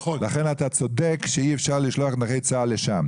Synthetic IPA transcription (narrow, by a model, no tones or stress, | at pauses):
laχenatat͡so̞dekʃeiefʃaʁliʃloaχnaχejt͡saːleʃam